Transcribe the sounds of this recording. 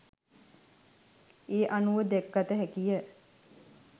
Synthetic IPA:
eːʔanuʋəd̪ɛkəɡat̪əɦækijə

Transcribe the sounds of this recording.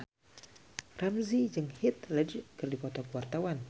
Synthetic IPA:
ramzid͡ʒɨŋhit̪̚ləd͡ʒkɨrdipɔt̪ɔkəwart̪awan

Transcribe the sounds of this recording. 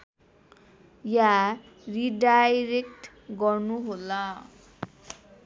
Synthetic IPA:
ja | riɖajɾekʈ | ɡʌrnuɦolʌ

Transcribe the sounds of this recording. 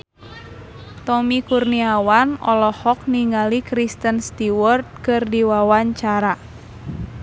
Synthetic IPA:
t̪ɔmikurniawanɔ̰lɔhɔk̚niŋalikɾist̪ənst̪iwɔrt̪̚kɨrdiwawaɲt͡ʃaɾa

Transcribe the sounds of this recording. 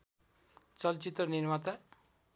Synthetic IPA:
t͡ʃʌlt͡ʃit̪ɾʌniɾmat̪a

